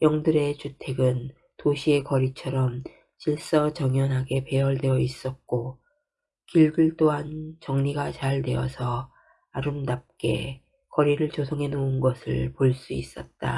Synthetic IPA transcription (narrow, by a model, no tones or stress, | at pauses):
jʌŋdɯɾe̞t͡ɕutʰe̞ɡɯn | toɕʰie̞kʌɾit͡ɕʰʌɾʌm | t͡ɕiɭs͈ʌt͡ɕʌŋjʌnɦaɡe̞pe̞ʌɭde̞ʌis͈ʌt̚k͈o | kiɭdɯɭt͈oɦant͡ɕʌŋɲiɡat͡ɕaɭde̞ʌsʰʌ | aɾɯmdap̚k͈e̞̰ | kʌɾiɾɯɭt͡ɕosʰʌŋɦe̞nounɡʌsʰɯ̰ɭpoɭs͈uis͈ʌt̚t͈a̰